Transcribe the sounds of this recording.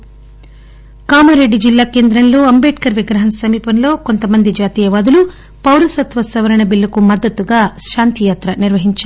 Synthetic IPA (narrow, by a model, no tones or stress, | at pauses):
kaːmuɾeɖːid͡ʒilːaːke̞ːnd̪ɾɐnlo̞ːɐmbeːʈkɐɾʋiɡɾɐɦɐnɐsɐmiːpɐnlo̞ːko̞nt̪ɐmɐnd̪id͡ʒaːt̪iːjɐʋaːd̪ulu | pɐwɾɐsɐt̪ʋɐsɐʋɐɾɐɳɐbilːɐkumɐd̪ːɐt̪ːuɡaːʃaːnt̪ijaːt̪ɾɐniɾʋɐɦiɲt͡ʃa